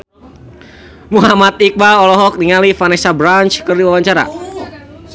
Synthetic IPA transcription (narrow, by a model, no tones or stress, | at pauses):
muɦamat̪ik̚baɔlɔɦɔk̚niŋalifanɛsabɾant͡ʃkərdiwawaɲt͡ʃaɾa̰